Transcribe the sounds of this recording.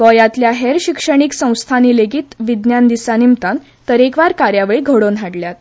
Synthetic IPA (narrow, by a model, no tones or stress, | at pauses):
kɔjat̪ljaɦeɾɕikʂəɳ̃iːksə̃w̃st̪ʰaniːleɡiːt̪ʋid̪njand̪isanimt̪an | t̪əɾekʋaɾkaɾjaʋɭiɡʱəɽonɦaɽljat̪̚